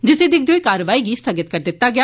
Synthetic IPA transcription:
d͡ʒɪsed̪ɪk̚d̪ioːikaːɾʋaːiɡist̪ʰəɡɪt̪̚kɐɾd̪ɪt̪ːaɡɪjaː

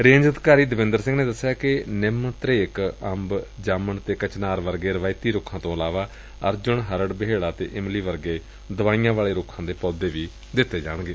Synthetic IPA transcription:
ɾẽːɲd͡ʒəd̪kaːɾiːd̪əʋɪ̃nd̪əɾsɪ̃ŋɡneːd̪əsːjaːkɪnɪmt̪ɾeːkəmbd͡ʒaːməɳt̪eːkət͡ʃnaːɾʋəɾɡeːɾəʋaːit̪iːɾʊkʰːãːt̪õːəlaːʋaː | əɾd͡ʒʊɳɦəɾəɖbəɦeːɽaːt̪ḛːʔɪmliːʋəɾɡeː | d̪əʋaːijãːʋaːɭeːɾʊkʰːãːd̪eːpɔːd̪eːʋiː | d̪ɪt̪ːeːd͡ʒa̰ːɽ̃ɡeː

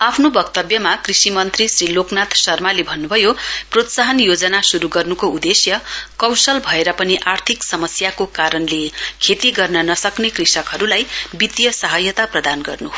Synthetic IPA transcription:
apʰnobʌkt̪ʌbjʌmakrisimʌnt̪risriloknat̪sʌrmalebʱʌnːubʱʌjoprot̪saɦʌnjod͡zʌnasuɾuɡʌrnukoud̪esjʌkʌwsʌlbʱʌeɾʌpʌniʔart̪ʰiksʌmʌsjakokaɾʌnlekʰet̪iɡʌrnʌnʌsʌknekrisʌkɦʌɾulajbit̪jʌsʌɦʌjʌt̪aprʌd̪anɡʌrnu

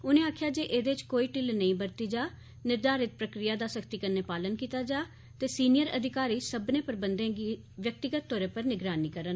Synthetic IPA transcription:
ʊnẽːaːkʰjaːd͡ʒeːʔeːd̪eːt͡ʃkoːiːʈɪlnəĩːbəɾt̪iːd͡ʒaː | nɪɾd̪aːɾɪt̪̚pɾəkɾɪjaːd̪aːsəkʰt̪iːkənːeːpaːlənkiːt̪aːd͡ʒaː | t̪eːsiːnɪjəɾəd̪ʱɪkaːɾiːsəbnẽːpəɾbənd̪ẽːɡiː | ʋjək̚t̪ɪɡət̪ːɔːɾẽːpəɾnɪɡɾaːniːkəɾən

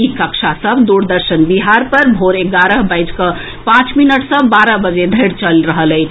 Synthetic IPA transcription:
ikəkʃʰasəbd̪uɾd̪əɾsənbiɦaɾpəɾbʱoɾeɡaɾəɦbəjd͡ʒkə | pãt͡ʃminəʈsəbaɾəɦbəd͡ʒed̪ʱəjɾt͡ʃəlɾəɦələɪt͡ʃʰ

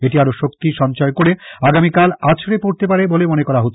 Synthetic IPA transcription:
eʈiaɾoʃokt̪iʃɔnt͡ɕɔekoɾeaɡamikalat͡ɕʰɾepoɾt̪epaɽebolemonekɔɾaɦot̪ː

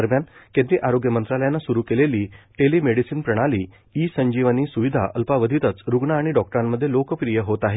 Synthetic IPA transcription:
əɾmjankẽnd̪ɾiʔaɾoɡjəmənt̪ɾaləjanːasuɾuːkeleliːʈeliːmeɽisiːnpɾəɽ̃aliː | isəɲd͡ʑiʋəniːsuʋid̪ʱa̰ʔəlpaʋəd̪ʱit̪ət͡sɾuɡɳaːɽ̃iɖɔk̚ʈəɾamːəd̪ʱːjelokəpɾijəɦot̪aɦe

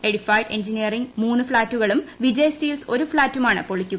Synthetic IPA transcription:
eɽifajɖe̞̰nd͡ʑinijɐriŋɡmuːnːɨfɭaːtːuɣɐɭumʋid͡ʑejsʈiːlso̞ɾufɭaːtːumaːɳɨpoɭikʲːuɣɐɐ

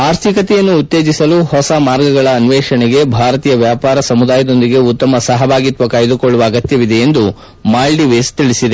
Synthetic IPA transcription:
aːɾt̪ʰikɐt̪ɛjɐnːuːt̪ːe̞ːd͡ʒisɐluhɔsɐmaːɾɡɐɡɐɭɐːnʋɛːʂɐɳɛɡe̞bʱaːɾɐt̪iːjɐʋjaːpaːɾɐsɐmud̪aːjɐd̪o̞nd̪iɡe̞ut̪ːɐmɐsɐɦɐbʱaːɡit̪ʋɐkaːjɐd̪ukoɭːuʋɐːɡɐt̪jɐʋid̪eend̪u | maːlɖiʋest̪iɭisid̪e

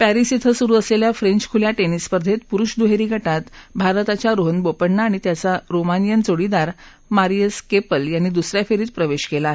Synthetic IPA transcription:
pæɾisit̪ʰəsuɾuːəsleljafɾeɲt͡ɕkʰuljaʈenispəɾd̪ʱet̪̚puɾuɕd̪uɦeɾiːɡʱəʈat̪bʱaɾt̪at͡ɕjaɾoɦənbopəɳnːaːɽ̃it̪jat͡saɾomanijənt͡soɽid̪aɾ | maɾijəskepəljanːid̪usɾjafʰeɾiːt̪pɾəʋeɕkelaːɦe

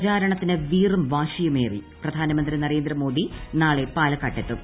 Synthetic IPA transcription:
t͡ɕaːɾɐɳɐt̪ːinɨʋiːrumʋaːɕijumeːriprɐd̪ʱaːnɐmɐnd̪rinɐre̞ːnd̪rɐmo̞ːd̪ʱinaːɭepaːlɐkːaʈːet̪ːum

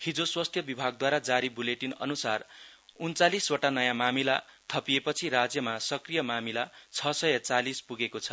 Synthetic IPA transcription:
hid͡zoswast̪ʰjʌbibʱaɡ̚d̪waɾad͡zaɾibuleʈinʌ̰nusarunt͡salisoʈanʌjãmamilat̪ʰʌpiepʌt͡sʰiɾad͡zjʌmasʌkrijʌmamilat͡sʰʌsʌjʌt͡salispuɡekot͡sʰʌ̥

